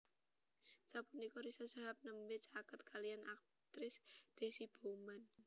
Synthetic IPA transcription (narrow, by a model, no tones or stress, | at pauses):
sapunikɔɾisasaɦap̚nəmbɪt͡ʃakət̪̚kʰalijanʔak̚ | t̪ɾɪsd̪̥e̤sib̥oman